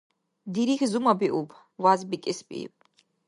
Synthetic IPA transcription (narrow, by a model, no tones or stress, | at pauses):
d̪iɾixʲzumabiʔupʰ | vazbikʲʼɛsbʼḭpʼ